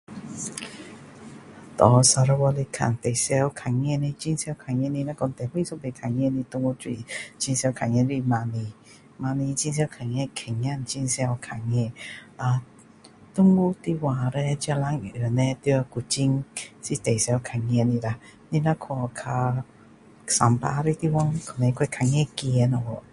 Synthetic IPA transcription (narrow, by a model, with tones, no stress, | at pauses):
t̪ɔ˨sa˧ɾa˧wɔ˧li˧kʰa̰˨˩˨nt̪e˨˩jsɛ˧˦wkʰa˨˩ŋɛ˧˨ni˧t͡ɕi˧˦ŋsɛ˧˦wkʰa˨˩ŋɛ˧˨ni˧na˧˦kɔ˧˨nt̪ɛ˨hi˥˧˨sɔ˧˦be˧˨kʰa˨˩ŋɛ˧˨ni˧˨t̪u˧˦ŋwu˧˦twi˧t͡ɕi˧ŋsɛ˧wkʰa˨ŋɛ˧˨ɾi˧ma˧ni˧ | ma˧ni˧t͡ɕi˧ŋs̬ɛ˧˦wkʰa˨˩ŋɛ˧˨kʰɛ˨˩ŋɲa˧˨nt͡ɕi˧ŋsɛ˧wkʰa˨˩ŋɛ˧˨a˧ | t̪ʊ˥˦ŋwu˦t̪i˧wa˨ɾɛ˧t͡ɕa˧la˧˦ŋ˨ə˨˩nɛ˧t̪i˧a˧ku˨t͡ɕi˧ŋsi˧˨t̪e˨˩jsɛ˧˦kʰa˨˧˩ŋɛ˧˨ni˧˨ɾa˧ni˧nã˧˦kʰɔ˧kʰa˧ | sa˨mpa̰˧˦ɾi˧t̪i˧wɔ˧˦ŋkʰɔ˨nɛ˧˦kʰwkʰa˧˨ŋɛ̃˥˧˨ki˧˨˧na˧wɔ˧˨